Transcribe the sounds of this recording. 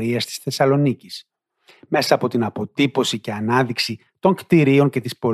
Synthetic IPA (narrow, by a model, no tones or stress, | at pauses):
ɾiɐst̪i̥sθe̞sɐlo̞nicis | me̞sɐːpo̞t̪inɐpo̞t̪ipo̞sice̞ɐnɐðiksi | t̪o̞ŋkt̪iɾio̞ɲce̞t̪ispo̞